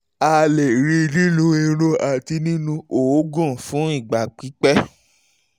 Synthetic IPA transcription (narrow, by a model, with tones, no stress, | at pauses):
a˧le˨ɾi˧ɾi˦lũ˧e˧ɾo˧a˨ti˧nĩ˦nũ˧o˨˦ɡɔ̃˦˨fũ˨˦i˦˨ɡ͡ba˨k͡pi˨˦k͡pɛ˦